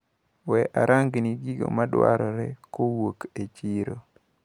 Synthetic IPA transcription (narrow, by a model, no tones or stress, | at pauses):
wɛʔaɾʔaŋɡniɡiɡo̰madwa̰ɾɔɾɛkowoket͡ʃiɾo